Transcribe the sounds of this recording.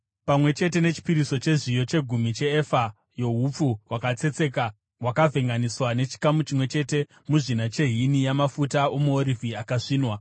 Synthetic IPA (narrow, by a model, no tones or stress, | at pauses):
pamwe̞t͡ʃe̞t̬e̞ne̞t͡ʃi̥piɾiso̞t͡ʃe̞ʐijo̞t͡ʃe̞ɡʱumit͡ʃe̞ːfa | jo̞ɦup͡fuwakat͡se̞t͡se̞ka | wakavʱe̞ŋɡaniswane̞t͡ʃi̥kamut͡ʃimwe̞t͡ʃe̞te̞ | muʐinat͡ʃe̞ɦinijamafutaomuoɾivʱiakaʂiːnwa